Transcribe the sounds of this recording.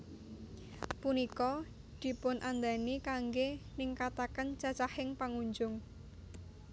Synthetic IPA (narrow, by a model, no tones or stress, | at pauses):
punikɔ | d̪̥i̤pʊnʔand̪anikaŋɡeniŋkat̪akənt͡ʃat͡ʃahɪŋpaŋuɲd͡ʒʊŋ